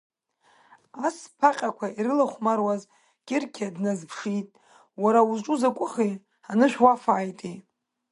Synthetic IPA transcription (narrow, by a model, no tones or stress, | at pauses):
aspʰaqʲʼakʷʰaiɾɨlaχʷmarwaz | ɡ̥ʲɪrkʲʰadnazpʰʂitʼ | waɾauzʈ͡ʂʼuzakʷʼʊχe | anɨʃʷᶣwafaːjtʼi